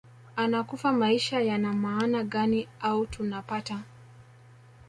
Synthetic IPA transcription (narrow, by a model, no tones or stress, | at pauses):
anakufamaiʃajanamaːnaɠaniautunapata